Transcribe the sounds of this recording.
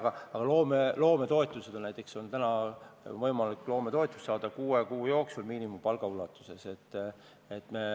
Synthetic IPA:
ɡ̥ɑɑɡ̥ɑlo̞ːmelo̞ːme̞t̪o̞e̞t̪ˑːuse̞d̪̥onæjt̪ːˑe̞kso̞nt̪ænɑvɤjmɑlikːˑlo̞ːme̞t̪o̞et̪ːˑu̥st̪sɑːd̪ɑkuːekuːjo̞ːksulmiːnimumpɑlɡ̥ɑulɑt̪ːˑu̥se̞se̞t̪ː | et̪ːˑme̞

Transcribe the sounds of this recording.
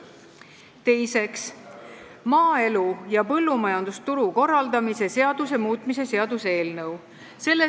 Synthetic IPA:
t̪e̞jse̞ks | mɑːe̞lujɑpɤlːumɑjɑnd̪̥ust̪uɾuko̞rːɑld̪̥ɑmise̞se̞ɑd̪̥use̞muːt̪ˑmise̞se̞ɑd̪use̞ːlnɤw | se̞lːe

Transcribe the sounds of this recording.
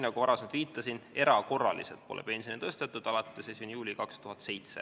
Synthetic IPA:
nɑɡ̥ovɑɾɑsemt̪viːt̪ːˑɑsine̞ɾɑko̞rːɑ̰lḭselt̪̚po̞lʔḛpe̞nsjonit̪ɤst̪e̞t̪ːˑud̪̥ɑlɑt̪ːˑesesinjuːlʲikɑkst̪uɦɑt̪se̞jt̪se̞̰

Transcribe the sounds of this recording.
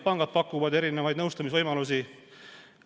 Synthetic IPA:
pɑŋɡ̥ɑd̪̚pɑkːˑuvɑd̪e̞ɾinevɑjd̪nɤwst̪ɑmis̬vɤjmɑlus̬i

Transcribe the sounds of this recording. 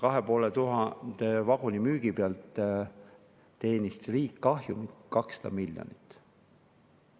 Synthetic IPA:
kɑɦepo̞ːlet̪uɦɑnd̪̥evɑɡ̥unʲimyːɡ̥ipeɑlt̪ | t̪ːe̞ːnʲist̪riːkːɑɦjumikɑkse̥d̪̥ɑ̰milʲjo̰nit̪ːˑ

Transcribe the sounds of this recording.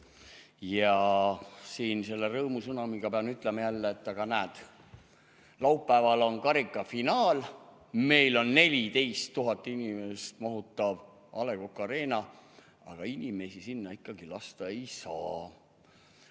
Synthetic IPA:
jɑ | siːnse̞lːerɤːmusɤnɑmiɡ̥ɑpeɑnyt̪ːˑlemejælːeːt̪ːˑɑɡ̥ɑnæːd̪̥ | lɑupːæːvɑlo̞nkɑɾikːˑɑfinɑːl | me̞jlo̞nːe̞lʲit̪e̞jst̪ːuɦɑt̪ːˑinʲimest̪mɑɦut̪ːˑɑv | ɑle̞kokːˑɑɾe̞ːnɑ | ɑ̰ɡ̥ɑinʲime̞sisinːɑikːˑɑɡ̥ilɑst̪ɑe̞jsɑ̰ː

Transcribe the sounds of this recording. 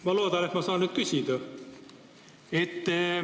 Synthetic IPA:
mɑlo̞ːd̪̥ɑne̞t̪mɑsɑːnyːd̪̥̚kysʲid̪̥ɑ | e̞t̪ː

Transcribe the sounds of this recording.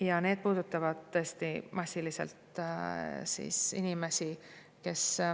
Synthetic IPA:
jɑne̞ːd̪̥̚puːd̪̥ut̪ːˑɑvɑd̪̥̚t̪ːɤːst̪imɑsʲːilise̞̰lt̪ | sḭsinʲime̞si | ke̞s

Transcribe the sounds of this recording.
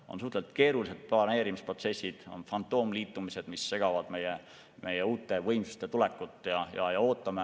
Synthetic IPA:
o̞nsuht̪lelt̪̚ˑke̞ːɾulise̞d̪̥̚pɑne̞ːɾimispro̞t̪se̞sːid̪̥o̞̰nfɑnt̪ːˑo̞ːmliːt̪ːˑumise̞d̪̥misːe̞ɡ̥ɑvɑd̪̥me̞je | mʔe̞jeuːt̪ːˑe̞vɤjmsu̥st̪et̪ulɛkːˑut̪ːˑjɑjɑ̰jɑoːt̪ːˑɑme

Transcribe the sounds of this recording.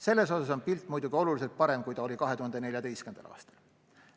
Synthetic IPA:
se̞lːe̞so̞sɑso̞npilt̪ːˑmujd̪uɡio̞luliselt̪̚pɑɾe̞mkujt̪ɑo̞likɑɦe̞t̪uhɑnd̪̥ene̞lʲjɑt̪e̞jskyend̪̥ɑ̰lɑ̰ːst̪ɑ̥l

